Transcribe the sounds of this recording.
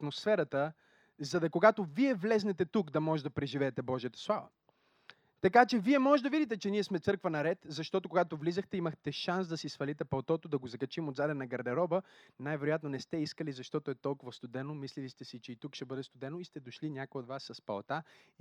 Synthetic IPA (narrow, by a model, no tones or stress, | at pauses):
ɐt̪mosfɛɾət̪ə | zɐd̪ɐkoɡat̪oviɛvlɛznɛt̪ɛt̪ukd̪ɐmɔʒɛd̪ɐpɾɛʒivɛːt̪ɛbɔʒijət̪ɐ̥slˠavə̰ | t̪ɐkat͡ʃɛviɛmɔʒɛd̪ɐvid̪it̪ɛt͡ʃɛniɛsmɛt̪sɤɾkvənɐɾɛt̪zɐʃt̪ɔt̪okoɡat̪ovlizəxt̪ɛiməxt̪ɛʃans̬d̪ɐsisfɐlit̪ɛpɐlˠt̪ɔt̪od̪ɐɡozɐkɐt͡ʃimod̪zaɾɛnɐɡɐɾd̪ɛɾɔbənajvɛɾojat̪nonɛst̪ɛiskəlizɐʃt̪ɔt̪oɛt̪ɔlˠkʊvɐst̪ʊd̪ɛnomislilist̪ɛsit͡ʃɛit̪ukʃt̪ɛbɤd̪ɛst̪ʊd̪ɛnoist̪ɛd̪oʃlinʲjakojɛod̪vasːɐspɐlˠt̪a